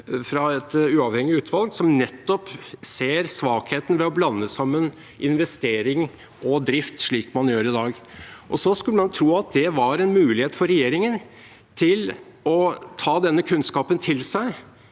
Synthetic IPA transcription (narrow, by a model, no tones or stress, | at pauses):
fɾɑɛt̪ʉːɑʋhɛŋːɪʉːt̪ʰʋɑlɡsɔmnɛt̪ːɔpseːɾsʋɑːkheːt̪n̩ʋɛɔblɑnːəsɑmːən | ʔɪnʋɛst̪eːɾɪŋ | ɔd̪ɾɪft̪ʂɭiːkmɑnjøːɾɪd̪ɑːɡ | ʔɔsɔskʉlːəmɑnt̪ʰɾuːɑt̪̚d̪ɛʋɑɾɛnmʉːlɪheːt̪fɔɾɛjeːɾɪŋən | t̪ʰɪl | ɔt̪ʰɑːd̪ɛnːəkʰʉnskɑːpənt̪ʰɪlsæɪ